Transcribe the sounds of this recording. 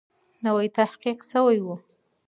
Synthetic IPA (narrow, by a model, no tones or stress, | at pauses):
nawajt̪ahqiqsəwajwu